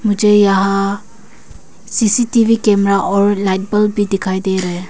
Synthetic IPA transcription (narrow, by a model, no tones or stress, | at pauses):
mud͡ʒəjaɦa | sisitibikemɾaʔɔɾlajt̚bəlbidikʰajdeɾe